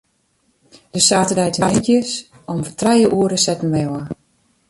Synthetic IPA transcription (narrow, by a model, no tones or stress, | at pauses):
d̥əsaːtədɛjtɛjkjəs | ɔmfətrɛjəʔuəɾəsɛtn̩ʋɛwə